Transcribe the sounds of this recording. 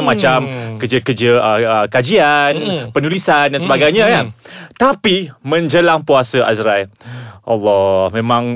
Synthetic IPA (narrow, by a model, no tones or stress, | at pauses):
mãt͡ʃamkəd͡ʒəkəd͡ʒəəəkad͡ʒianpənulisandansəbaɡajɲãkant̪apimə̃ɲd͡ʒəlaŋpuasəʔazɾajʔa̰lːɔhmẽmãŋ